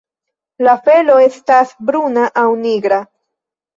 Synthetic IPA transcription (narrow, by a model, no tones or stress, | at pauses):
lafe̞lo̞e̞stasbɾunaʔawniɡɾa